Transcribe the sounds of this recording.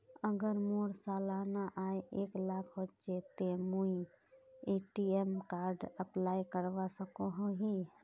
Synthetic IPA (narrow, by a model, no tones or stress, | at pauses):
əɡəɾmoɽsalanaʔajeklakʰɦot͡ʃet̪emui | eʈiemkaɾɖəplajkəɾʋasəkoɦõɦi